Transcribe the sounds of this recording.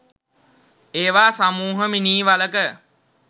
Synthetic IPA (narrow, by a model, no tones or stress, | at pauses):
eːʋaːsamuːɦəminiːʋaləkə